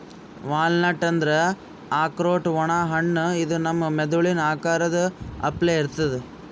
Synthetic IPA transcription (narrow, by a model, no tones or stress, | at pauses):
ʋaːlnɐʈːɐnd̪ɾe | aːkɾoːʈʋɔɳaːɦɐɳːid̪unɐmːɐmɛd̪uɭinaːkaːɾɐd̪ɐɐpleːiɾt̪ːɐðe